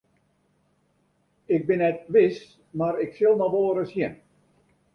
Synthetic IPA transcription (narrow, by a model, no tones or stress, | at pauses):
ɪk̚bɪnɛt̚ʋɪs | maɾɪksɪlˠnɔʋoːəɾəshiən